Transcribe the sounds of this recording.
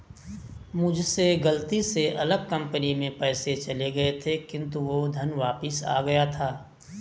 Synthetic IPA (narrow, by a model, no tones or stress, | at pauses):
mʊd͡ʒʱseɡɐlt̪iseʔɐləɡ̚kɐ̃mpənimẽpɛːset͡ʃɐleɡɐet̪ʰekɪ̃nt̪uʋod̪ʱɐnʋaːpəsa̰ːɡɐjat̪ʰaː